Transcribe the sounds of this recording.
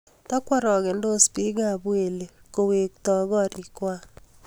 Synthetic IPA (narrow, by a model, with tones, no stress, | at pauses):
tɔ˦kwa˦ɾɔ˨ɣɛ˨ndo˦spi˦ɡa˨bwe˨le˨ko˨we˨k̚tɔ˨ɣɔ˦ɾi˨kwa˦